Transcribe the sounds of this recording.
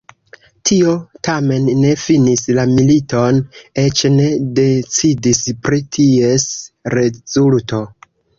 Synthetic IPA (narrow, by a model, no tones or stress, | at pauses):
tʰio̞tame̞nːe̞finislamilito̞ne̞t͡ʃne̞de̞t͡sidispɾitʰie̞sɾe̞zulto̞